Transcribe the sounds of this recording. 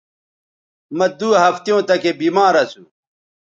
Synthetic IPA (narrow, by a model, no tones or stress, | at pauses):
mɐd̪uːɦɐft̪jõːt̪ɐkebiːmaːɾɐsu